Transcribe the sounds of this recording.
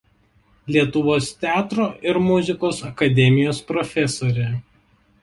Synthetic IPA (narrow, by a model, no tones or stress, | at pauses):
lʲiɛt̪ʊʋoːst̪ʲæːt̪ɾoːʔɪɾmʊzʲɪkoːsɐkɐd̪ʲɛmʲɪjoːspɾɔfʲɛsoːɾʲɛ